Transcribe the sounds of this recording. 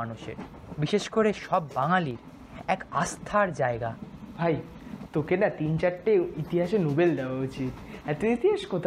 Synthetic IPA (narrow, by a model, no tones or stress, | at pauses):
anuʃḛɾ | biʃeʃkoɾeʃɔbːaŋaliɾ | ɛkast̪ʰaɾd͡ʑaeɡabʱaj | t̪okenat̪int͡ɕaɾʈːeit̪iɦaʃenobeld̪ɛoaut͡ɕit̪ɛt̪oit̪iɦaʃkot̪ʰ